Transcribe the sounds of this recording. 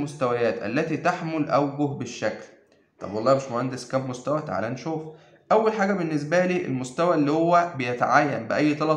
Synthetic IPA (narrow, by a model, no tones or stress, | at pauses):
most̪æwæjæːt̪ʔæ̰lːæt̪iːt̪aħmolʔæ̰wɡohbeʃːækl | t̪ˤɑ̰bwɑlˤːɑːmeʃmohænd̪eskæːbmost̪æwæt̪ʕlæːnʃuːf | ʔæwːælħaːɡæbenːes̬bæliːʔḛlmost̪æwæʔlːiːhowːæbejæt̪aʕaːjːæ̰nbeʔæjːt̪ˤɑlɑ